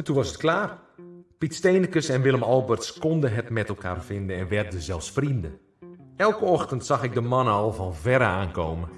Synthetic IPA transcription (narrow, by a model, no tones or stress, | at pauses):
ɛtunʋɔsət̚klaːrpitsteːnəkəsɛnʋɪlˠəmɔlˠbərtskɔndəɦətmɛtɛlˠkʰa̰ːrfɪndəɛnʋɛrdəzɛlˠsfrində | ɛlˠkəɔxtəntsɑxɪɡ̚dəmɑnəɔlˠvɔnvɛɾəaːnkoːmə